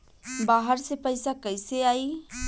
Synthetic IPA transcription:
baːɦəɾsepəɪsakəɪseaːiː

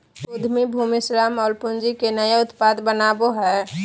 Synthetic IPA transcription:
ud̪ʱmibʱumisɾamɔːlpʊnd͡ʒikenəjeʊt̪pad̪bənaːboɦɛ

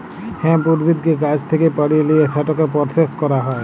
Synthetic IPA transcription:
hẽmpuɾbid̪̚kikad͡ʒt̪ʰikepaɽiliesaʈɔkepɔɾseskɔɾaɦɔe

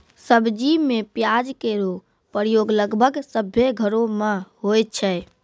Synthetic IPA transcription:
səbd͡ʒimepjad͡ʒkeɾo | pəɾjoɡləɡbʱəɡsəbʱeɡʱəɾomeɦojt̪̚t͡ʃʰɛ

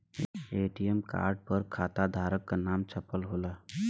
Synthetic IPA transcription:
eːʈijəmka̰ːɾɖ̚pəɾkʰaːt̪ad̪ʱaːɾəkːanaːmt͡ʃʰɐpəlɦoːlaː

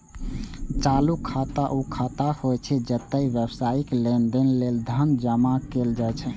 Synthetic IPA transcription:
t͡ʃalukʰːat̪aʔukʰat̪ahojt͡ʃʰɛd͡ʒət̪ːəiʋjəbsaiklend̪enleld̪ʱənd͡ʒəmakeld͡ʒajt͡ʃʰɛ

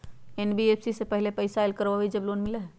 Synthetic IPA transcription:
enbiepʰsisepəɦɪlepəɪsaelkəɾʋaɦoid͡ʒɐbloːnmɪleɦ

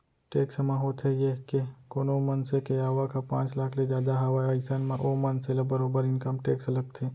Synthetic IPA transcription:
ʈeːksmãɦot̪ʰejeɦkekoːnomənsekeaːʋakapã̰ːt͡ʃlaːkʰled͡ʒjaːd̪aɦɐʋaaːɪsanmẽʔoːmənseləbəɾoːbəɾɪ̃nkəmʈeːksləɡ̚t̪ʰeː

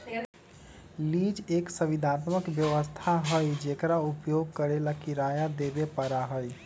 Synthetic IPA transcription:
liːd͡ʒeːksəʋɪd̪ʱaːt̪məkʋjəʋəst̪ʰaɦəid͡ʒeːkɾaʊpjoːɡ̚kəɾelakiɾaːjad̪eːbepəɾaɦəi

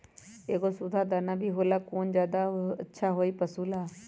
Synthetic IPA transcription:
eːkosʊd̪ʰʱaːd̪aːnaːbʱiːɦoːlaːkoːnd͡ʒjaːd̪aətːʃʰaːɦoːiːpəsuːlaː

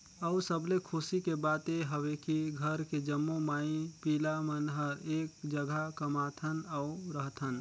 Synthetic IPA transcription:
əʊsəblekʰʊsikebaːt̪eɦəwekiɡʱəɾked͡ʒəmːomaːĩpiːlamənɦəɾeːkd͡ʒəɡʱakəmaːt̪ʰənəʊɾəɦt̪ʰən

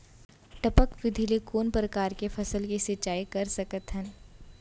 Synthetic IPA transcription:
ʈɐpəkʋɪd̪ʱilekoːnpɾəkaːɾkefʰɐsəlkisɪt͡ʃːaːikɐɾsɐkət̪ɦɛ̃n

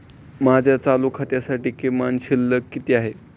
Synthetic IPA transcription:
mad͡ʑʱjat͡salukʰat̪jasaʈiːkemanɕilːəkːit̪iːaɦe

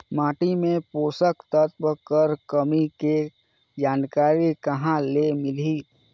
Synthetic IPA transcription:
maːʈimẽpoːsəkt̪ət̪̚bəkəɾkəmike | d͡ʒaːnkaːɾikɐɦãlemɪliː

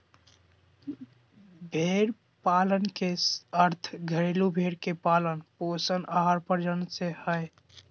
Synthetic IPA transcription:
bʱeɾ | palənkeəɾt̪ʰɡʱəɾilubʱeɾkepalənposənaɦaɾpəɾd͡ʒənsehəj

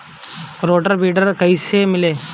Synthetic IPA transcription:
ɾoʈəɾbiɖəɾkəjsemile

